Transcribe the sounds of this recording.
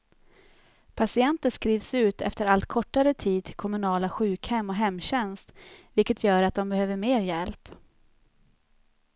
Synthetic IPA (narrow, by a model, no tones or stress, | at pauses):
pʰasɪɛnt̪əʂskɾiːvsʉ̟ːt̪ɛ̰ft̪əɾalt̪kʰɔʈːaɾət̪ʰiːd̪̚t̪ʰɪlkʰɔmɵnɑːlaɧʉ̟ːkhɛmːɔɦɛmːɕɛnst̪vɪlkət̪ʰjœːɾat̪̚d̪ɔmbɛhøːvəɾmeːɾjɛlp